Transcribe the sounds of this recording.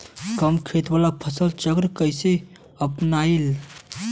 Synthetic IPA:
kəmkʰet̪ʋalapʰəsəlt͡ʃəɡɾəkəjse | əpnail

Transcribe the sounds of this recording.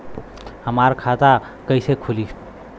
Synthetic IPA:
həmaɾkʰat̪a | kəɪsekʰuli

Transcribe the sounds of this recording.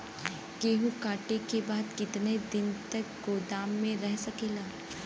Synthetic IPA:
keːɦũkaːʈekebaːd̪kɪt̪ned̪ɪnt̪ɐk̚ɡoːd̪aːmːẽɾɛɦsɐkeːlaː

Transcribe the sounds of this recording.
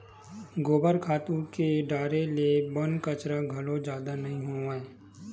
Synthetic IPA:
ɡoːbəɾkʰaːt̪ũkeɖaːɾelebɐnkət͡ʃɾaɡʱɐlod͡ʒjaːd̪anɐɦĩɦoːaeː

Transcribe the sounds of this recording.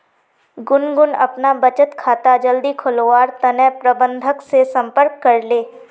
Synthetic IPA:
ɡʊnɡʊnɐ̰pnabət͡ʃət̪kʰaːt̪ad͡ʒəld̪ikʰʊlʋaːɾt̪ɐnɛpɾəbə̃nd̪ʱəksesɐ̃mpəɾkːɐɾleː

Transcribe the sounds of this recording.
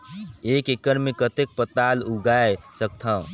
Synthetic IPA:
ekekəɾmekət̪ek̚pət̪aluɡaesək̚t̪ʰãʊ̃

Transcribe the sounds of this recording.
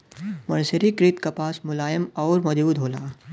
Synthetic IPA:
mɐɾseɾikɾit̪kɐpaːsmʊlaːjəmɔːɾmɐd͡ʒuːd̪ɦoːlaː

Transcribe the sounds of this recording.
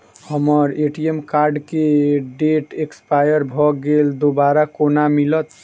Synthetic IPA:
həməɾeʈiemkaɾɖkeɖeʈekspajəɾbʱɔɡeld̪obaɾakonamilət̪

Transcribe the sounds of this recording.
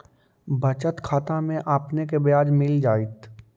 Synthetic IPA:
bət͡ʃət̪kʰaːt̪amẽʔaːpnekebjaːd͡ʒmɪld͡ʒaːɪt̪

